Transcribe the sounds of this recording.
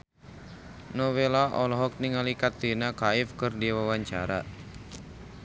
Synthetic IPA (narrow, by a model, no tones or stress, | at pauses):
nɔwelaʔɔlɔɦɔk̚niŋalikat̪̚denakaɪfkɨrdiwawaɲt͡ʃa̰ɾa̰